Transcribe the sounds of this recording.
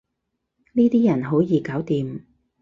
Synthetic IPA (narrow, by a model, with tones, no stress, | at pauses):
niː˥t̪iː˥jɐ˨˩nɦo˨˥wjiː˨˧kaː˨˥wt̪iː˨m